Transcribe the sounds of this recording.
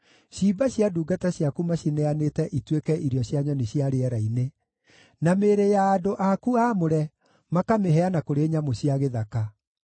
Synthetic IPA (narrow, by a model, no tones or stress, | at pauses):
ɕiːbaɕjaduːɡataɕjakumaɕinɛanetɛʔitwekɛʔiɾjɔɕjaɲɔneɕjaɾeɛɾaine | nameːɾejaːdoʔakuaːmoɾɛ | makameɦɛanakoɾeːɲamoɕjaɣeðaka